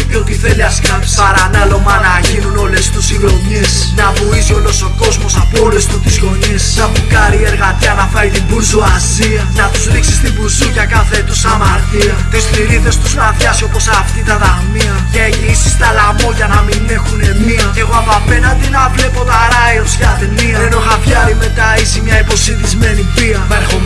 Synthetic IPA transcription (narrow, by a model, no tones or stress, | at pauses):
ipio̞t̪iθe̞liɐskɐ | pɐɾanɐlo̞mɐnɐʝinuno̞le̞st̪usiðo̞ɲes | nɐvoizio̞lo̞so̞ko̞zmo̞sɐpoo̞le̞st̪ut̪izʝo̞ɲesnɐmukɐɾie̞ɾɣat̪ʝɐnɐfɐjt̪ibuzuɐziɐnɐt̪uzɾiksist̪ibuzuʝɐkɐθe̞t̪usɐmaɾt̪iɐt̪isθiɾiðe̞st̪uznɐfʝɐsio̞po̞sɐft̪it̪ɐðɐmiɐʝɐe | si̥st̪ɐlamo̞ʝɐnɐmine̞xune̞miɐe̞ɣoɐpɐpe̞nɐnd̪inɐvle̞po̞t̪aɾɐjɾosʝɐt̪eniɐðenoxɐfçɐɾime̞t̪ɐisimɲɐipo̞siθizme̞nipiɐveɾxom